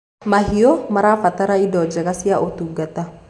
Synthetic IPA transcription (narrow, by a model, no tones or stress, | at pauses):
maɦiomaɾafat̪aɾaidɔd͡ʒakasiaʔot̪uɡat̪a